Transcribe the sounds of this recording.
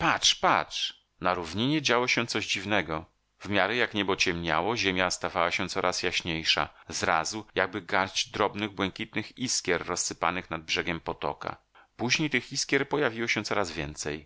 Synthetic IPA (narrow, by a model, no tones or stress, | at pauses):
patʂpatʂ | naɾuvɲiɲɛd͡ʑawɔɕɛt̪sɔʑd͡ʑivnɛɡɔ | vmʲjaɾɛjakɲɛbɔt͡ɕɛmɲa̰wɔʑemʲjast̪avawaɕɛt̪sɔɾʔasjaɕɲejʂa̰zɾa̰zujaɡ̚bɘɡaɾd͡ʑd̪ɾɔbnɘɣbwɛŋkʲit̪nɘxiskʲjɛɾːɔsːɘpa̰nɘxnad̪̚bʐɛɡʲɛmpɔt̪ɔ̰ka̰ | puʑɲejt̪ɘxiskʲɛɾpɔjavʲiwɔɕɛ̃t̪sɔɾazvʲjɛnt̪sɛj